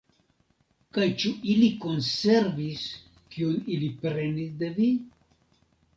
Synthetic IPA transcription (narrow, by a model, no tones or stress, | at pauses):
kajt͡ʃuʔiliko̞nse̞ɾvis | kiunilipɾe̞nisde̞vi